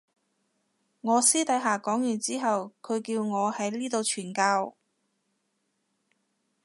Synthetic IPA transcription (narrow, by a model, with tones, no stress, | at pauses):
ŋɔː˨˧siː˥t̪ɐ˨˥jɦaː˨kɔː˨˥ŋjyː˨˩nt͡siː˥ɦɐ˨wkʰɵ˨˧ɥkiː˧wŋɔː˨˧hɐ˨˥jliː˥t̪o˧wt͡ʃʰyː˨˩nkaː˧w